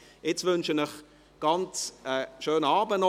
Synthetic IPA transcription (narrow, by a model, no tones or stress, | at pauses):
ɪt͡svʏnʃənəχ | ɡ̥ɑnt͡səʃøːnɑːbənɔ